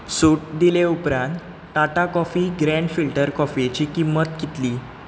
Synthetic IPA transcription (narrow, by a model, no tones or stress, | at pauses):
suʈ̚d̪ileupɾãnt̪ | ʈaʈakɔfiɡɾẽɳɖfilʈəɾkɔfit͡ɕikimːət̪kit̪li